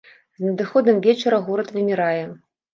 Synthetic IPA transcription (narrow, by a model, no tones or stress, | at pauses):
znɐd̪ɨxɔd̪ɐmvʲet͡ʃɛɾɐɣoɾɐt̪vʲemʲiɾajɛ